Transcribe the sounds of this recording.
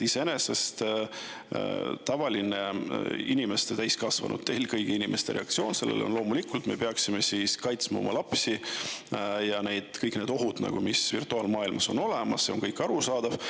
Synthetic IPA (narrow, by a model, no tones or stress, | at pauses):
iseene̞se̞st̪ | t̪ɑvɑlineinime̞st̪et̪æjskɑsvɑ̰nʔṵd̪̚t̪ːejlkɤjɡ̥iinimest̪e̞ɾʔe̞ɑkt̪sio̞ːnse̞lːḛlo̞nlo̞ːmulikult̪ˑme̞peɑksime̞siːskɑjt̪smɑ̰omʔɑlɑpsi | jɑne̞jd̪̥kɤjkˑne̞ːd̪o̞ɦud̪̥nɑ̰ɡ̥umisvirt̪ˑuɑːlmɑːilmɑso̞no̞lemɑsse̞oŋkɤjkːˑɑɾusɑːd̪̥ɑv̥